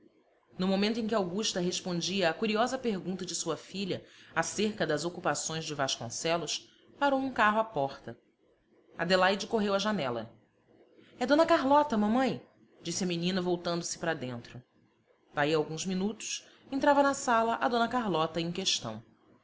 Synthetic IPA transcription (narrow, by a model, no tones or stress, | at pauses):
nʊmomẽnt̪ʊẽk̬ʲɪawɡuʃt̪ɐɦeʃpõnd͡ʒiɐːkuɾiɔzɐpeɾɡũnt̪ɐd͡ʒɪsuɐfiʎɐaseɾkɐd̪ɐzokupasõj̃zd͡ʒɪvaʃkõ̰sɛlʊs | paɾowũkaɦʊapɔχt̪ɐ | a̰d̪elajd͡ʒɪkoɦewɐʒanɛlɐ̰ | ɛd̪õnɐkaɦlɔt̪ɐmɐ̃mɐ̃j̃ | d͡ʒisɪɐminĩnɐvowt̪ɐ̃nd̪ʊsɪ̥pɾɐd̪ẽnt̪ɾʊ | d̪̥aiawɡũzminut̪ʊ̥ʃ | ẽnt̪ɾavɐnɐsalɐʔɐd̪õnɐkaɦlɔt̪ɐẽj̃keʃt̪ɐ̰̃w̃